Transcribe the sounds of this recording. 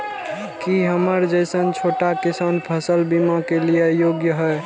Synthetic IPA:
kiɦəməɾd͡ʒəɪsənt͡ʃʰoʈakisanpʰəsəlbimakelijejoɡjəɦəj

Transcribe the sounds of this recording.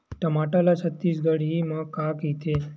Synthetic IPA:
ʈəmaʈalat͡ʃʰət̪ːisɡəɽimãkakɦit̪ʰe

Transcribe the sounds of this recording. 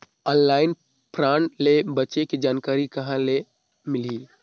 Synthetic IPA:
ɔːnlaːɪn | pɾãːɳʈlebətːt͡ʃekid͡ʒaːnkaːɾikɐɦãle | mɪli

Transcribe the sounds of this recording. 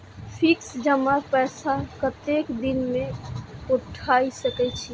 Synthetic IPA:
pʰɪksd͡ʒəmapɛːsakət̪ekd̪inmẽʊʈʰaisəkɛt͡ʃʰi

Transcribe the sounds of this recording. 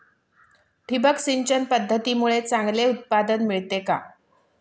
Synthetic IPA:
ʈʰibəksiɲt͡ɕənpəd̪ʱːət̪iːmuɭet͡saŋɡleut̪̚pad̪ənmiɭt̪eka

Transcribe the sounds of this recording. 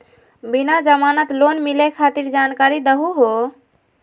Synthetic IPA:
binad͡ʒəmanət̪lonmilekʰat̪iɾd͡ʒankaɾid̪əɦuɦo

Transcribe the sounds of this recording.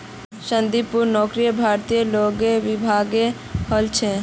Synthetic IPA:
ʃənd̪ipuɾnɔːkɾijəbʱaːɾt̪ijəloːɡeʋɪbʱaːɡe | həlt͡ʃʰe

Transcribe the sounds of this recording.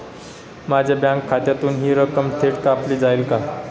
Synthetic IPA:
mad͡ʑʱebjãŋkʰːat̪jat̪uːnɦiːɾəkəmʈ̪ʰeʈkapliːd͡zailka

